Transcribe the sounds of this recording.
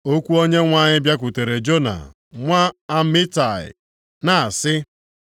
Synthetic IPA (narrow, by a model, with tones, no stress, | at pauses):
o˦kʷu˦o˦ɲe˦ŋʷa˦˨ɲɪ˦bja˦k̬ʊ˨te˨ɾe˨d͡ʒo˦na̰˨ | ŋʷa˦a˦mɪ˦ta˨ɪ̰˨ | na˨a˨sɪ˦